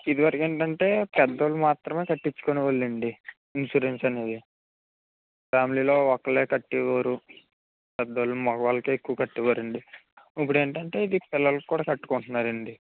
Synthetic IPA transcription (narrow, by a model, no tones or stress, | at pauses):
id̪uʋɐɾɐke̞ːɳʈɐɳʈe̞ːpɛd̪ːɐlumaːt̪ɾɐmeːkɐʈːit͡ʃːu̥koniʋɐlːiɳɖi | insuɾensɐne̞ːd̪i | paːmiliːlo̞ːɔkːɐleːkɐʈːiʋaːɾu | pɛd̪ːɐlumɔɡɐʋaːlːɐkeekːuʋɐkɐʈːiʋaːɾɐɳɖiip̬ːuɽe̞ːɳʈɐɳʈe̞ːid̪ipɪlːɐlɐkːuːɽaːkɐʈːu̥koɳʈunːaːɾɐɳɖi